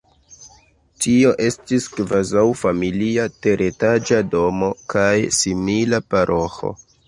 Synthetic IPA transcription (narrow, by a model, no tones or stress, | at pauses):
tio̞ʔe̞stiskvazawfamiliate̞ɾʔe̞tad͡ʒado̞mo̞kʰajsimilapaɾʔo̞xo̰